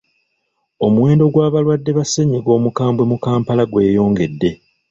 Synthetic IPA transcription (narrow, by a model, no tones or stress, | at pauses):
o̞muwe̞ːndo̞ɡwaːβalwadːe̞βaseɲiɡo̞ːmukaːmbwe̞mukaːmpalaɡwe̞ːjo̞ːŋɡe̞dːe̞